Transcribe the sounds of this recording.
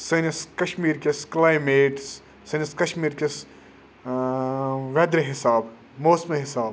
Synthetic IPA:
sɐnɐskɐʃmiːɾkʲesklaːjmeːʈs | sɐnɐskɐʃmiːɾkʲes | ʋɛd̪ɾeɦɪsaːb | moːsmeɦɪsaːb

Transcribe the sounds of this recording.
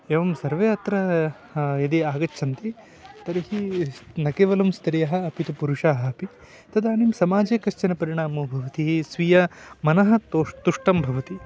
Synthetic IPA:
eʋɐmsɐɾʋeːɐt̪ɾɐ | jɐd̪iaːɡɐːt͡ʃʰɐnt̪i | t̪ɐɾiɦinɐkeːʋɐlɐmst̪iɾijɐɦɐ̆ːpit̪upuɾuʂaːɦɐɐpi | t̪ɐd̪aːnimsɐmaːd͡ʒeːkɐʃt͡ʃɐnɐpɐɾiɳaːmɐbʱɐʋɐt̪isʋijɐmɐnɐɦɐ̆t̪ot̪uʂʈɐmbʱɐʋɐt̪i

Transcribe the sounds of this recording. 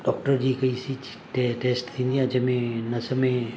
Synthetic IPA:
ɖɔːk̚ʈəɾd͡ʒiːkɐisi | ʈeʈeːsʈt̪ʰĩnd̪iãd͡ʒɐmẽnɐsəmẽ

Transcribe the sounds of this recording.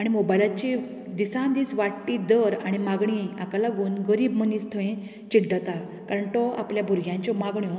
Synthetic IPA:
aɽ̃imobajlat͡ɕi | d̪isãnd̪iːsʋaʈʈːiːd̪əɾaɽ̃imaɡɳiakalaɡuːnɡəɾiːbməniːst̪ʰəẽ | t͡ɕiʈd̪at̪a | kaɾəɳt̪ɔa̰pljabʱuɾɡʱjãɲt͡ɕɔmaɡɳjɔ

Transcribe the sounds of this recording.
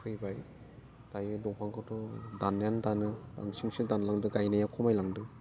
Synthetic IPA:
kʰɯjbaj | tajɯdɔpʰaŋkʰɯtɔdanːjandanɯba̰ŋsiŋsɯdanlaŋdɯɡajnajakʰɔmajlaŋdɯ

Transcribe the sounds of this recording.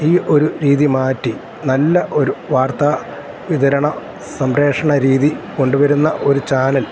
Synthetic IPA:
iːʔo̞ɾuɾiːðimaːtːi | nɐlːɐʔo̞ɾuʋaːrt̪aː | ʋiðɐɾɐɳɐ | sɐmɾe̞ːʂɐɳɐɾiːðiko̞ɳɖuʋɐɾunːɐʔo̞ɾut͡ɕaːnɐl

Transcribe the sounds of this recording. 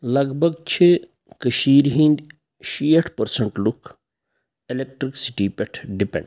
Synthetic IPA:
lɐɡbʱɐɡt͡ʃʰi | kəʃiːɾɦĩnd̪ʲ | ʃiːɐʈʰpɐɾsɐɳʈluk | elek̚ʈɾiksi̥ʈiːpɛʈʰɖipḛ̃ɳɖ

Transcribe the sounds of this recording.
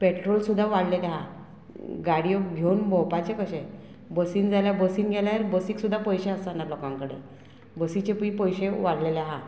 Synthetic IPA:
peʈɾolsud̪ʱːaʋaɽleleaɦa | ɡaɽijoɡʱjonbʱɔpat͡ɕekəɕẽ | bəsiːnd͡zaljabəsiːnɡʱɛljaaɾbəsiːksud̪ʱːapəjɕeəst̪anaɾlokãŋkəɽḛ | bəsit͡ɕepipəjɕeʋaɽleleaɦa

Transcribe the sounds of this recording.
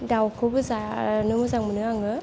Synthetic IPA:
dawkʰɯbɯzanɯmɯzaŋmɯnɯaŋɯ

